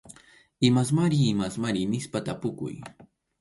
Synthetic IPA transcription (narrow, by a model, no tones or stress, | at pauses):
ɪmas̬maɾiːmasmaɾinɪspat̪apʊkʊ̰j